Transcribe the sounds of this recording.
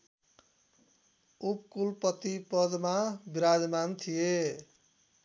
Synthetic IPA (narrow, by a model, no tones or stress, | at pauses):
upkulpʌt̪ipʌd̪mabiɾad̪mant̪ʰije